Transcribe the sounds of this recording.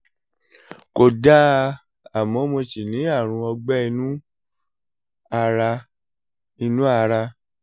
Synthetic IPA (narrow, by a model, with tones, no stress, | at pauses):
ko˧da˦ | a˨mɔ̃˨˦mo˧si˨nĩ˨˦a˦˨ɾ̃ũ˧ɔ˧ɡ͡bɛ˦i˧nũ˦ | a˧ɾa˧ | i˧nũ˦a˧ɾa˧